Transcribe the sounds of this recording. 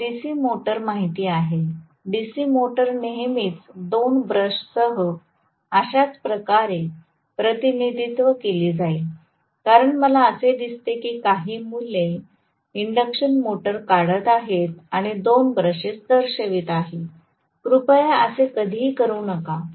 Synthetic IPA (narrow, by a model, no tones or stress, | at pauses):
ɖisiːmoʈəɾmaɦit̪iːaɦe | ɖisiːmoʈəɾneɦmiːt͡sd̪onbɾəɕsəɦə | əɕat͡spɾəkaɾe | pɾət̪inid̪ʱit̪ʋəkeliːd͡zai | kaɾəɳməlaəsed̪ist̪ekiːkaɦiːmule | iɳɖəkɕənmoʈəɾkaɽət̪aɦet̪̚aɽ̃id̪onbɾəɕet͡sd̪əɾɕəʋit̪aɦi | kɾupəjaəsekəd̪ʱikəɾuːnəka